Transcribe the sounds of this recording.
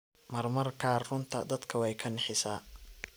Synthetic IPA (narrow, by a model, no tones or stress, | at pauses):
mɐrmɐrkʰaːrrʊnt̪ʰɐd̪ɐd̪kʰɐwɛjkʰɐnɛħɪsaː